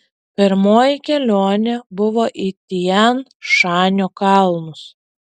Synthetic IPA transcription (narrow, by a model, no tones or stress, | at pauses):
pʲɪɾmoːjɪkʲɛlʲoːnʲebʊʋoːʔit̪ʲiɛnʃɑːnʲoːkɑlˠnʊs